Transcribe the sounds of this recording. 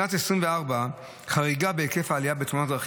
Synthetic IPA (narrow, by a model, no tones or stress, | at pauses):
natesʁimveaʁba | χaʁiɡabeeke̞faːlijabet̪χunatʁaχ